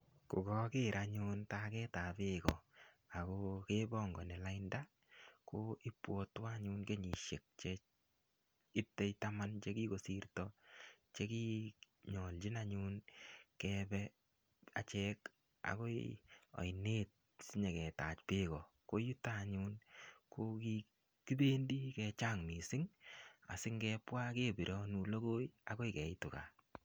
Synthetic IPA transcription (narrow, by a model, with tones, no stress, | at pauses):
kʊ˨ɡɔ˦kɪ˦ɾʔaɲuntakɛ˦ta˨pɪkɔ˨ | a˨kɔkebɔ˦ŋɡɔ˨nɛ˨la˦inda˦ | ko˦i˦pwɔ˦twa˦ɲu˧nke˦ɲi˨ʃe˨k̚t͡ʃe | ɪ˦p̚te˦jtama˦nt͡ʃe˦ki˦ko˨si˦rtɔt͡ʃe˦ki˦ | ɲɔ˨ld͡ʒi˦na˦ɲu˦nkɛbɛ | a̰˨t͡ʃɛk | a̰˨ko˦jɔ̰˨jne˦t̚ | sɪ˦ɲe˨kɛ˨ta˨t͡ʃpɪ˦kɔ˨ | ko˦ju˦ta˦ɲu˦nko˦ki | ki˦be˦ndi˦kɛ˧t͡ʃa˦ŋmi˨sɪ˦ŋa̰˨sɪ˦ŋɡɛː˧pwa˦ke˦bi˨ɾʔɔ˦nu˨lo˦ɡo˦ja˨ko˦kɛ˨ɪtʊ˨ka̰˨